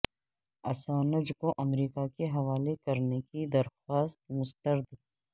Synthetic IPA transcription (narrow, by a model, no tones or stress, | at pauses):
ɐ̰saːnɐd͡ʒkoʔɐmɾiːkakeɦɐʋaːlekɐɾnekid̪ɐɾxaːst̪mʊst̪əɾd̪